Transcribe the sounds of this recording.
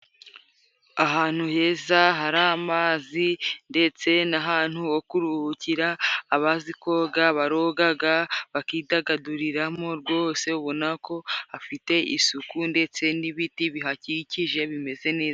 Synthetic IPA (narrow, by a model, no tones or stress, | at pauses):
aɦaːn̥huhe̞ːzaɦaɾamaːzinde̞t͡se̞naɦaːn̥huwokuɾuhuciɾaːβaziko̞ːɡaβaɾoɡaɡaβakiːdaɡaduɾiɾamo̞ɾɡwo̞se̞uβo̞nako̞hafite̞ʔḭsukunde̞t͡se̞niβitiβiɦaciciʒe̞βime̞ze̞ne̞ːza